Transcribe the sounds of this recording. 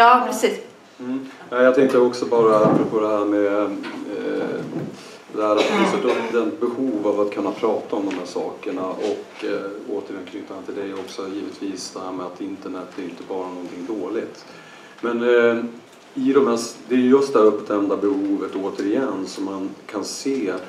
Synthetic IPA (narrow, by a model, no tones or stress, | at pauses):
jɑːpʰɾɛsiːs | m̩ɛjat̪ʰɛŋk̪əjəɔksɔbɑːɾaapɾɔpʰoːd̪ɛɦæɾmɛ | d̪ɛhæːɾat̪̚ɪfɛt̪ɵpːd̪ɛnt̪̚bɛhuːvavat̪kʰɵnːapʰɾɑːt̪ʰaɔmd̪ɔmhæːʂɑːkəɳaʔɔkːoːt̪əɾjɛnkʰnʏt̪ːanat̪ʰɪld̪ɛjɔksɔjiːvət̪viːsd̪̥ɛhæɾmɛat̪ɪnt̪əɳɛt̪ːæɾjʏnt̪əbɑːɾanɔnt̪ʰɪŋːd̪oːlɪt̪ | mɛn | ɪd̪ɔmhæsd̪ɛːɾjɵjɵst̪d̪ɛhæɾɵpːt̪ɛnd̪abɛhuːvət̪oːt̪əɾɪjɛnːsɔmːankʰanseː